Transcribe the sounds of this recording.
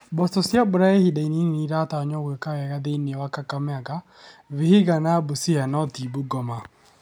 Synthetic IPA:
bɔstɔsjabʊɾaehidaininniɾataɔɲɔɣwekawaɣaðeineɔwakakamɛaɡa | βiheɣanabusianɔtibuɡɔma

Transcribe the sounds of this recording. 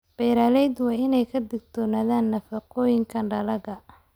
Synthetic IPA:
b̥ɛjɾaːlɛjd̪wɑːɪnɛjkʰɐd̪ɪɡ̚t̪ʰɔːnaːðaːnːɐfɐqɔːjɪŋkʰɐnɖɐlɐɣɐ

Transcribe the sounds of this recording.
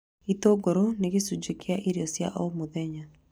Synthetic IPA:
itoɡoɾoneɡesud͡ʒekeaʔiɾjɔsja̰ʔɔmuðɛɲa

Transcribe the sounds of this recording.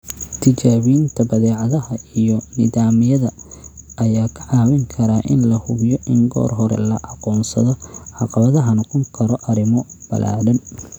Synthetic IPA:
t̪ʰɪt͡ʃaːβijɪnt̪ʰɐbɐðɛːʕɑðɐɦɐijɔnɪðaːmɪjɐðɐʔɐjaːkʰɐ̥ʕɑːwɪŋkʰɐɾaːʔɪnlɐhʊɣjɔʔɪŋɡɔ̰ːrɦɔɾɛ̰lɐʔɑqɔːnsɐðɔʕɑqɑβɐðɐɦɐnɔqɔŋkʰɐɾɔʔɐɾɪmɔb̥ɐ̰lʔa̰ːɽɐn

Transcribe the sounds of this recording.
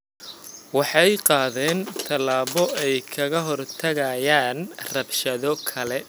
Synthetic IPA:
wɑħɑjqɑːðɛːnt̪ʰɐlaːβɔɛjkʰɐɣɐɦɔrt̪ʰɐɣɐjaːnrɐbʃɐðɔkʰɐlɛ

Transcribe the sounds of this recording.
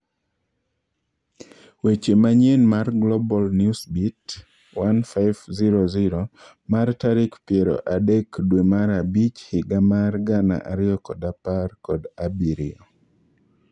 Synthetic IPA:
wet͡ʃemaɲenmarɡlɔbɔlnjusbit | wanfaɪvziɾoziɾo | martaɾɪkpjeɾo̰ʔadekdwemaɾabit͡ʃhɪɡamarɡana̰ʔa̰ɾɪjɔkɔdaparkɔdabiɾɪɔ

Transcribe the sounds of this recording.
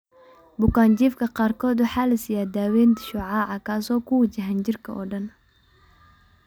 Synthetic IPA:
bʊkaːnt͡ʃiːfkʰɐqɑːrkʰɔːd̪ʊħaːlɐsijaːd̪aːwɛːnt̪ʃʊʕɑːʕɑkʰaːsɔːkʰʊwɐt͡ʃɐɦɐnd͡ʒɪrkʰɐʔɔ̰ːɖɐn

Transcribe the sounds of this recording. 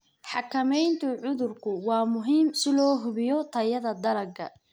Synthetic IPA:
ħɑkʰɐmɛjnt̪ʰʊʕʊðʊrkʰʊwɑːmʊɦiːmsɪlɔːɦʊβɪjɔt̪ʰɐjɐðɐd̪ɐɾɐɡʰɐ̰

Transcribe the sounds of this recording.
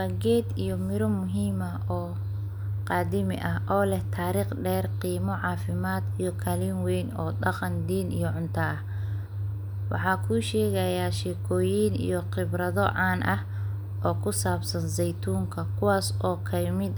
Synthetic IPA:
waːɡɛːd̪ijɔmɪɾɔmʊɦiːmɐ | ɔː | qɑːd̪ɪmɪ̰ʔɐɦʔɔːlɛht̪ʰaːɾiːχɖɛːrqiːmɔʕɑːfɪmaːd̪ijɔkʰɐliːnwɛjnɔ̰ːɗɑqɑnd̪iːnḭjɔʕʊnt̪ʰɐɐh | wɑ̰ħɑːkʰuːʃɛːɣɐjaːʃɛːkʰɔːjiːnḭjɔqɪbɾɐðɔʕɑːnʔɐh | ʔɔːkʰʊsaːbsɐnsɛjt̪ʰuːŋkʰɐkʰʊwaːsɔːkʰɐjmɪd̪

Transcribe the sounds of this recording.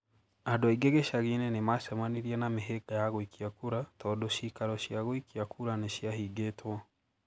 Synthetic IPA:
andoaiɡeɣeʃaɣenɛnemaʃamaniɾiɛnameɦeɡajaɣoikʰiakuɾatɔːndoʃikaɾɔɕjaɣoikiakʰuɾaneʃiaɦiːɡetwa

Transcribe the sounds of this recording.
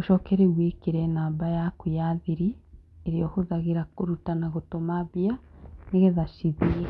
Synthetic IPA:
oʃɔːkɛɾewekeɾɛnaːbajakujaðiɾieɾiohoðaɣeɾakoɾutanaɣotomaβjaneɣeðaʃiði

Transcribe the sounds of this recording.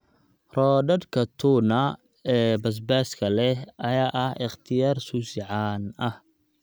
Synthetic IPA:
rɔːɖɐdkʰɐt̪ʰuːnɐ | ɛːbɐs̬baːskʰɐlɛɦʔɐjaːʔɐhɪχt̪ʰɪjaːrsuːsɪʕaːnɐh

